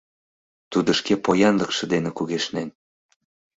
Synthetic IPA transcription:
t̪ud̪ə̆ʃkepojɑnlə̆kʃɤ̆d̪enĕkuɣeʃnæn

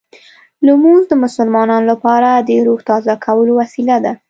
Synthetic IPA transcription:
lumuzd̪əmʊsəlmɑnɑnolapɑɾad̪əɾuht̪ɑzakʰawəlowasilad̪a

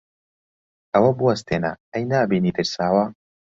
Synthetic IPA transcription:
ɐwɐbuwɐst̪eːnɐ̰ɐjnaːbiːniːd̪ɨɾsaːwɐ

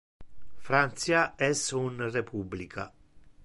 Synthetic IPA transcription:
fɾant̪sjaɛsunrepʰublikʰa

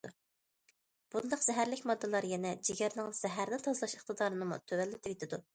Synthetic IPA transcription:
b̥und̪ɑqz̥ɛɦæɾlɪkʲmɑd̪ːɨlˠɑɾjɛnɛd͡ʒiɡʲɛɾnɨŋz̥ɛɦæɾnɪt̪ʰɑzlˠɑʃeχt̪ɨd̪ɑːɾɨnɨmṵt̪ʰøwɛlːɪt̪ʰɪvet̪ʰɪd̪u

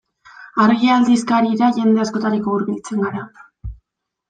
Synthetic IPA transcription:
aɾɣiald̪iskaɾiɾaʝe̞nd̪e̞asko̞t̪aɾiko̞uɾβilt͡se̞ŋɡaɾa

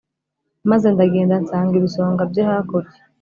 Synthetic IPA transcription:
maze̞ndaɡe̞ːndansaːŋɡiβiso̞ːŋɡabjehakoɾje

